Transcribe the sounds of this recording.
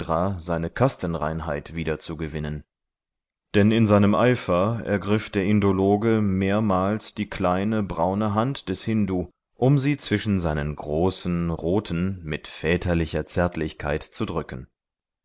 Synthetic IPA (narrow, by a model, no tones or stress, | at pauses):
ʁaːzaɪnəkʰastənʁa̰ɪnɦa̰ɪtv̥iːdɐt͡suɡəvɪnən | d̥ɛnɪnzaɪnəmʔaɪfɐɛ̰ɐɡʁɪfd̥eːɐʔɪndoloːɡəmeːɐmaːlsd̥iːkl̥aɪnəbʁaʊnəɦantd̥ɛshɪnduː | ʔʊmziːt͡sv̥ɪʃn̩zaɪnənɡʁoːsn̩ʁoːtʰn̩mɪtfɛːtʰɐlɪçɐt͡sɛɐtʰlɪçkʰa̰ɪtt͡sudʁʏkən̩